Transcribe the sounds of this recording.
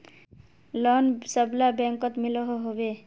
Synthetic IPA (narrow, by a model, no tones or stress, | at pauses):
lɔnsəblabɛ̃ŋkɔt̪milɔɦoɦobe